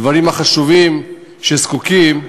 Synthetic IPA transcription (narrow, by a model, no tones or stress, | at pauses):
vaʁimaχaʃuvim | ʃeskukim